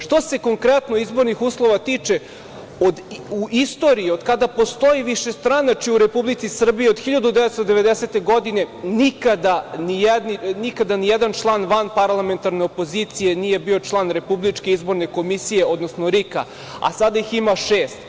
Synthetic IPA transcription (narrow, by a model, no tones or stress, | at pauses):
ʃt̪o̞se̞ko̞ŋkɾet̪noizbo̞ɾnixuːslˠo̞ʋat̪iːt͡ʃe̞ | od̪uʔist̪o̞ɾiːo̞d̪kad̪apo̞st̪o̞iʋiʃe̞st̪ɾanat͡ʃiuɾe̞publit̪sisr̩bijeo̞d̪xiʎad̪ud̪ɛʋet̪st̪od̪e̞ʋe̞d̪ese̞t̪e̞ɡo̞d̪ine̞nikad̪anijed̪ninikad̪anijɛd̪ant͡ʃlˠanʋanpaɾlˠame̞nt̪aɾne̞opo̞zit̪sije̞nije̞bio̞t͡ʃlˠanɾe̞publit͡ʃke̞izbo̞ɾne̞ko̞misijeo̞d̪no̞snoɾika̰ | a̰sad̪aiximaʃeːst̪